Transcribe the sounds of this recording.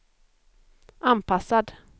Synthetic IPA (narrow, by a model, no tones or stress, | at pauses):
ʔanpʰasad̪